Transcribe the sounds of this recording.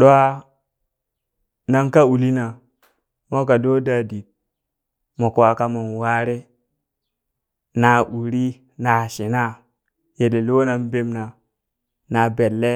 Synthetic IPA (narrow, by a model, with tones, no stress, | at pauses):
ɗo˦a˦ | na˦nka˦u˨li˦na˨ | mo˦ka˨do˦da˦˨di˨t̚ | mo˨ko˨wa˨ka˦ma˨nwa˦ɾe˦ | na˨ʔu˨ɾi˦ | na˨ʃi˨na˦ | je˨de˨li˦wo˦na˨nbe˦mna˨ | na˨be˨lːe˦